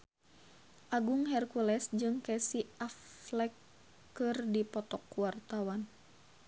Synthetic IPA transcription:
ʔaɡuŋɦɛrkulɛsd͡ʒɨŋkɛsiʔaflɛkː | ɨrdipɔt̪ɔkwart̪awan

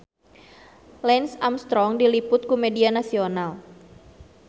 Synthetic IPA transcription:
lɛnsamst̪ɾɔŋdilipʊt̪̚kumɛdianasional

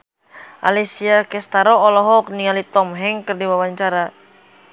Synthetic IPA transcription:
ʔa̰lɛsiakɛst̪aɾɔːlɔɦɔk̚nialit̪ɔmɦɛŋkɨrdiwawaɲt͡ʃaɾa

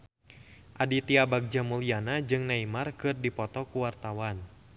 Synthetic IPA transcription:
ʔadit̪iabaɡ̚d͡ʒamulianad͡ʒɨŋnaimarkɨrdipɔt̪ɔkuwart̪awan

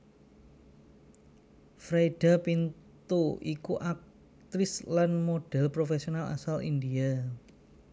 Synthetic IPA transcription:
fɾajɖ̥a̤pint̪uikuʔak̚ | t̪ɾɪslanmoɖ̥ɛ̤lpɾofesionala̰salḭndia

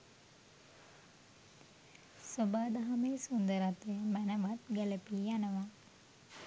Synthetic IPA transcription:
sobaːd̪aɦameːsund̪əɾat̪əəmænəʋat̪ɡæləpiːjanəʋa

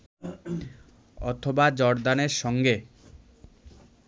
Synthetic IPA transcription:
ɔt̪ʰobad͡ʑɔɾd̪aneɾʃɔŋɡe

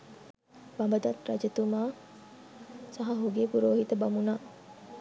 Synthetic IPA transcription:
bambəd̪at̪ra̰d͡ʒət̪uma | saɦaɦoɡepuɾoːɦit̪əbamuna

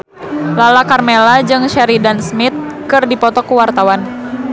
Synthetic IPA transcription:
lalakarmelad͡ʒɨŋʃɛɾidansmit̪̚kɨrdipɔt̪ɔkuwart̪awan

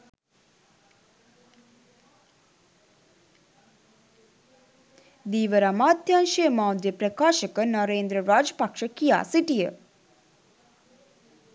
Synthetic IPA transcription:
d̪iːʋəɾamaːd̪janʃemaːwd̪jəpɾəkaːʃəkənɔɾeːnd̪ɾəɾaːd͡ʒəpakʂəkija̰ːsiʈijə

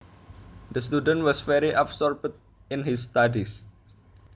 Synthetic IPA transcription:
d̪əst̪udə̃nwɔsvɛɾiʔabsɔɹbt̪̚ | ɪnɦɪsːt̪adis

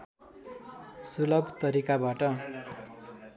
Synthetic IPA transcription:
sulʌbʱt̪ʌɾikabaʈʌ

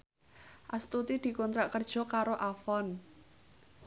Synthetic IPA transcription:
ʔast̪ut̪id̪̥i̤kɔnt̪ɾaʔkərd̥ʒ̥ɔ̤kaɾoʔafɔn

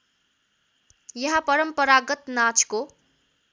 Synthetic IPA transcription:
jʌɦapʌɾʌmpʌɾaɡʌt̪nat͡sko

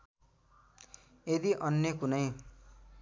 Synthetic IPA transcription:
ed̪iʔʌnjʌkunʌj

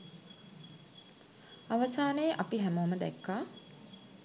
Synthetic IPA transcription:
aʋəsaːneːʔapiɦæmoməd̪ɛ̰kːaː

